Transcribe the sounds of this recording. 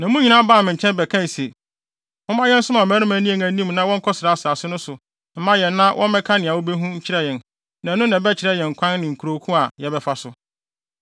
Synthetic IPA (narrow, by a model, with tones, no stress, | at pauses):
nã˨mũ˦ɲĩ˨˦nã˦baː˦˨mɪ̃˨ɲ̩˨t͡ɕʰɛ̃˦nbɛ˨kʰã˦˨se˨ | ʊ̃˦mã˦jɛ˦n̩˦sʊ̃˦mã˨mæ̃ː˦ɾɪ̃˦mã˨˦nĩ˦˨ŋæ̃˨˦nĩ˦m˨nã˦wɔ̃˦ŋ̩˦kʰɔ˦sɪɾa˨˦sɪ˨a˨sɪ˦nʊ̃˦sʊ˨ | m̩˦mã˦jɛ˨nːã˦wʔɔ̃˦m˦mɛ̃˦kʰã˦nɪ̃˨a˨wo˦be˦ɦũ˦ɲ̩˦t͡ɕʰɪ˦ɾɛ˦jɛ̃˨n | nã˨nʊ̃˦nã˨bɛ˦t͡ɕʰɪ˨ɾɛ˦jɛ̃˨ŋ̩˨kʷʰã˦nːɪ̃˨ŋ̩˨kʰu˨ɾo˨˦kʰũ˦a˨jɛ˨bɛ˨fa˦sʊ˨